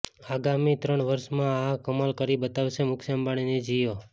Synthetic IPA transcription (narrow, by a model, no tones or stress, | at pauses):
aɡamit̪ɾəɳʋəɾʃmãakəmalkəɾibət̪aʋʃemʊkʃambaɽ̃ined͡ʒijo